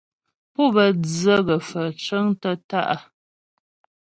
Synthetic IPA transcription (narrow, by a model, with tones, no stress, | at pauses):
pɔ˦˨bə˨d͡zə˦ɣə˨fə˨t͡ʃə˦ŋtə˦ta̰˦˨ʔa˨